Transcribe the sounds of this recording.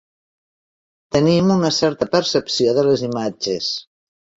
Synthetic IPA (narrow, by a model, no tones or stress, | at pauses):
t̪ənimunəsɛɾt̪əpəɾsəpsioðələzimad͡ʒes